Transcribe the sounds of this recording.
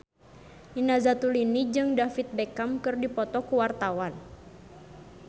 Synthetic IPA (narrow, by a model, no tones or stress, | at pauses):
inazat̪ulinid͡ʒɨŋdafit̪̚bɛkamkɨrdipɔt̪ɔkuwart̪awan